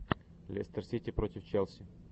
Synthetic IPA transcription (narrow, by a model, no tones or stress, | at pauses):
lʲɛ̰st̪ərsʲitʲɪpɾotʲɪft͡ɕɛlˠsʲɪ